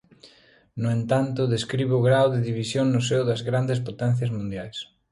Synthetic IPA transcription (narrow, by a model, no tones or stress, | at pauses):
nʊent̪ant̪ʊðeskɾiβʊːɣɾawðɪðiβisjoŋnʊsewðɐzɣɾand̪espot̪ɛn̟θjɐzmũnd̪jajs